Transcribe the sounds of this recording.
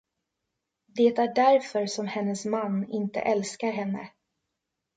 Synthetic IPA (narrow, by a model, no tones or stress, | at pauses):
d̪eːt̪æɖæɾfœɾsɔmhɛnːəsmanːɪnt̪ə̰ʔɛlskaɾɦɛnːə̰